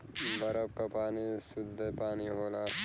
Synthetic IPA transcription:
bɐɾəb̚kapaːnisʊd̪epaːniɦoːla

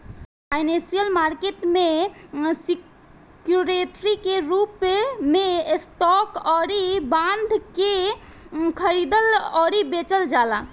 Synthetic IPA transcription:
ajnesijəlmaɾkeʈme | si | kjuɾeʈɾikeɾupmesʈɔkɔɾibãnd̪ʱke | kʰəɾid̪əlɔɾibet͡ʃəld͡ʒala

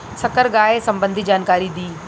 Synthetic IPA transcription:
sɐkəɾɠaːesɐ̃mbə̃nd̪ʱid͡ʒaːnkaːɾid̪iː

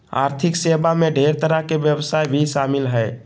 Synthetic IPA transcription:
a̰ːɾt̪ʰɪkseːbamẽɖʱeːɾt̪əɾəkeʋjəbsaːjbʱiʃaːmɪlɦɛː

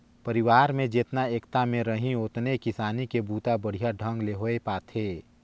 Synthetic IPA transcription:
pəɾɪʋaːɾmẽd͡ʒeːt̪naeːkt̪amẽɾəɦĩoːt̪nekɪsaːnikebʱuːt̪abəɽ̤ijaɖʱə̃ŋɡleɦoepaːt̪ʰeː

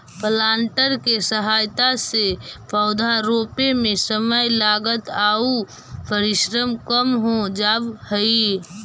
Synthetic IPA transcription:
pəlaːɳʈəɾkesəɦaːjt̪asepʰəʊd̪ʱaɾoːpemẽsəməjlaːɡət̪au | pəɾɪʃɾəmkəmɦod͡ʒaːbhəi

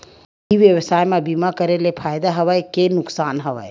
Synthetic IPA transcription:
iʋjəwsaːjmẽbimakəɾelepʰaːjd̪aɦɐʋajkenʊksaːnɦɐʋa̰e

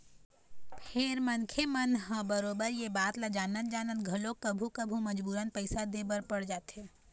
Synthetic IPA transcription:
pʰɪɾmənkʰemənɦə̃bəɾoːbəɾjebaːt̪lad͡ʒaːnənd͡ʒaːnənɡʱɐlõkəbʱukəbʱuməd͡ʒbuːɾənpəɪsad̪ebəɾpəɽd͡ʒaːt̪ɦe

